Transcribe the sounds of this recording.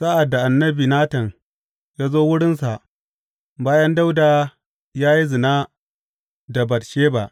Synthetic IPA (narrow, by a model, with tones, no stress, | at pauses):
sa˦ʔa˨dːa˨ʔa˨nːɐ˦biː˨naː˦tɐ˨ŋ | jaː˦zoː˦wʊ˦ɽɪ˦nsa˨ʔ | baː˦jɐ˦nda˦wdaː˨ | jaː˦ji˦zɪ˨naː˦ | da˨bɐ˨tʃeː˦ba̰˨ʔ